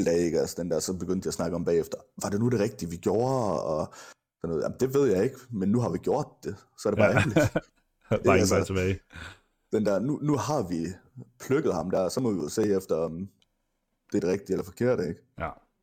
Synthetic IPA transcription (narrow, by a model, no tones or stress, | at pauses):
l̰d̥ɛ̰ːeɡ̥ælsəd̥end̥æɐsɒ̽b̥e̝ɡ̥øn̰d̥jɑsnɑ̈ɡ̥əɒ̽mb̥ɛ̰ːefd̥ɐʋɑ̈de̝nud̥e̝ʁɛɡ̥̚d̥iəʋiɡ̥jo̝ɐɒ | sɒnːɔːð̩ˠæ̰mnd̥e̝ʋe̝ð̞̰ˠjɑ̈ɪe̝ɡ̥menːuɦɑ̈ʋiɡ̥jo̝ɐ̰d̥̚ːe̝sɒɐɾebɑ̈ːeli | ælsɐt͡sʰeb̥ɛɪ | d̥end̥æɐ̰nunuhɑ̈ʋipʰløɡ̥əð̩ˠhɑ̈md̥æɐ̰sɒ̽mɒ̽ʋijose̝̰ːefd̥ɐɒ̽m | d̥eɐd̥e̝ʁɛɡ̥̚d̥ielɐfɒ̽kʰe̝ɐ̰ɾ̥əeɡ̥